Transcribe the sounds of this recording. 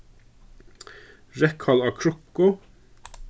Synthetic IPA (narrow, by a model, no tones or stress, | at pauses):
ɹɛkʰhɑlɑːkʰɾʊkːʊ